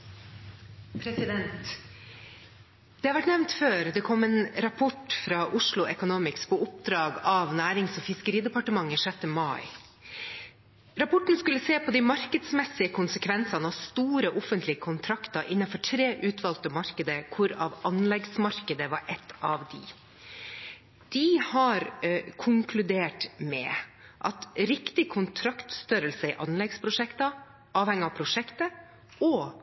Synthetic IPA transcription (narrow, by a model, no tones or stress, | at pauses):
pʰɾɛsɪd̪ɛnt̪ | d̪ɛhɑʋæʈnɛʋnt̪føːɾd̪ɛkʰɔmeːnɾɑpʰɔʈfɾɑːʔʊʂlʊʔɛkʊnuːmɪkspʰoːʊp̚d̪ɾɑːɡɑʋnæːɾɪŋsoːfɪskəɾiːd̪əpɑʈəmɑŋːəʂɛt̪ːəmɑɪ | ɾɑpʰɔʈn̩skʉlːəseːpʰoːd̪ɪmɑɾkəd̪smɛsɪəkʰʊnsəkʰʋɛnsɑnəɑʋst̪uːɾəʔɔfənt̪lɪəkʰʊnt̪ʰɾɑkt̪ɑʔɪnːɑfɔʈʰɾeːʔʉːt̪ʰʋɑlt̪əmɑɾkəd̪əkʰʊɾɑ̰ʋɑnlɛɡsmɑɾkəd̪əʋɑɾʔɛt̪ʰːɑʋd̪ɪ̰ | d̪̥ɪhɑɾkʰʊŋkʰlʉd̪eːʈmɛ̰ʔɑt̪ɾɪkt̪ɪkʰʊnt̪ʰɾɑkt̪st̪œɾəlsəɪʔɑnlɛɡspʰɾʊʂɛkt̪ɑ | ʔɑːʋhɛŋːəɑpʰɾʊʂɛkt̪ə | ɔ